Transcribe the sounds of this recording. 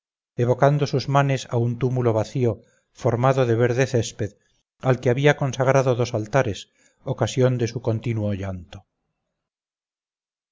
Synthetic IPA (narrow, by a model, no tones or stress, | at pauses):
eβo̞kand̪osuzmane̞saunt̪umulo̞β̞aθio | foɾmaðoðeβeɾðeθespeð | alkeaβiako̞nsaɣɾaðoðo̞salt̪aɾe̞s | okasjo̞nd̪e̞suko̞nt̪inwoʝant̪o